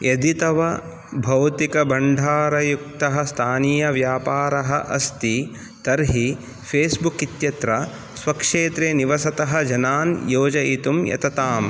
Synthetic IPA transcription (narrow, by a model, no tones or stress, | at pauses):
jɐd̪it̪ɐʋɐ | bʱɐwt̪ikɐbɐɳɖʱaːɾɐjuk̚t̪ɐɦɐst̪ʰaːnijɐʋjaːpaːɾɐɦɐʔɐst̪i | t̪ɐɾɦi | pʰeːsbukit̪jɐt̪ɾɐ | sʋɐkʂeːt̪ɾeːniʋɐsɐt̪ɐɦɐd͡ʒɐnaːnjoːd͡ʒɐit̪umjɐ̰t̪ɐt̪aːm